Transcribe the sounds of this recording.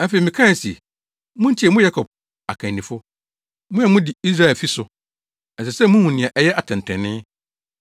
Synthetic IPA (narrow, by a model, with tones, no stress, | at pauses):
ɛ̃˦fe˨i˨mɪ̃˨kʰã˦˨si˨ | mʊ̃˦ɲ̩˦t͡ɕʰɛ˨mʊ̃˦ja˦kʰɔ˨b̚ | a̰˨kʰã˨nĩ˨fʊ˦ | mʊ̃˦ɛ˨mʊ̃˦di˨i˦s̬ɾa˦˨ɛ˨fi˦sʊ˨ | ɛ˨sɛ˨sɛ˦mũ˦hũ˨nɪ̃˨a˨ʔɛ˦jɛ˦ʔa˨tʰɛ̃˨n˨tʰɛ̃˨nɪ̃˦